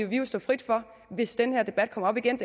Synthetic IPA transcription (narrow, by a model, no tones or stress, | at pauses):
oʋisd̥ɒ̰ːfʁid̥fɒ̽ | ʋe̝sd̥enəhæɐd̥e̝b̥æd̥̚kʰɒ̽mɐɒ̽b̥iɡ̥end̥